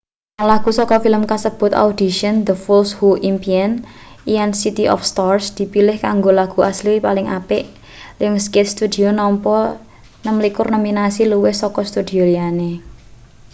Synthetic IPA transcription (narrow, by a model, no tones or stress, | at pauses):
ŋlaɡ̥ṳsɔkɔfiləmkasəb̥ʊt̪a̰ud̪̥i̤ʃənd̪əfulshuʔimpian | ijansit̪iʔɔ̰fst̪ɔrsd̪̥i̤pilɪhkaŋɡolaɡ̥ṳasliwipalɪŋa̰pɪʔ | lɪŋskɪt̪̚st̪ud̪i̤onɔmpɔ | nəmlikʊrnɔminasiluwehsɔkɔst̪ud̪̥i̤oliane